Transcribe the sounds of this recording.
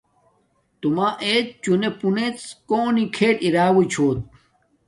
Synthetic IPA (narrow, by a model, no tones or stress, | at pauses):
t̪umaːʔeːt̪̚t͡ɕunepunet͡skoːnikʰeːʈiɾaːwit͡ɕʰoːt̪̚